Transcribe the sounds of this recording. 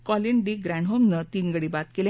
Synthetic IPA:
kɔliɳɖiɡɾæɳɖɦomnət̪iːnɡəɽibat̪kelẽ

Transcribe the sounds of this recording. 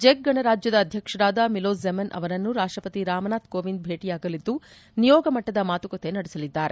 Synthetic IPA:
d͡ʒek̚ɡɐɳɐɾaːd͡ʒjɐd̪ɐːd̪ʱjɐkʂɐɾaːd̪ɐmiloːsemɐnʔɐ̰ʋɐɾɐnːuɾaːʂʈɾɐpɐt̪iɾaːmɐnaːt̪koːʋind̪̚bʱe̞ːʈijaːɡɐlid̪ːu | nijɔːɡɐmɐʈːɐd̪ɐmaːt̪ukot̪enɐɽɛsɐlid̪ːaːɾe

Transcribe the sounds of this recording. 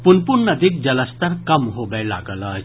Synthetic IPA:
punpuɳnːəd̪ʱik̚d͡ʑələst̪əɾkəmɦobɛla̰ɡəla

